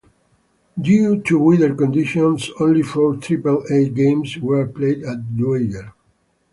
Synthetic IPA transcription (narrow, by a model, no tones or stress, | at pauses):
djut̪ʰuwidəɹkɔ̃nd̪iʃɔ̃nsõnlifɔɹt̪ʰɾipəleɡẽmswəɹplejdæt̪̚lueɡəɹ